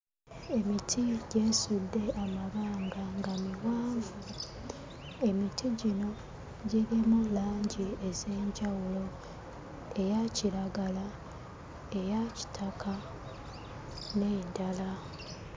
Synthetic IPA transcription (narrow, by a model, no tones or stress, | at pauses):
e̞mitʰiɟeːsudːe̞amaβaːŋɡaŋɡamiwaːvu | e̞mitʰiɟino̞ | ɟiɾimulaːɲɟieze̞ːɲɟawulo̞ | e̞jaciɾaɡala | e̞jaci̥tʰakʰa | nedala